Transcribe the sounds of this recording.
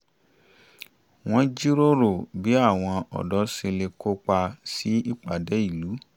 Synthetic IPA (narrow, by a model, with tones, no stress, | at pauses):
w̃ɔ̃˦d͡ʒi˦ɾo˦ɾo˦˨bi˨˦a˦˨w̃ɔ̃˧ɔ̰˨dɔ˨˦se˧le˧ko˦k͡pa˧si˨˦i˦˨k͡pa˨dɛ˨˦i˦˨lu˨˦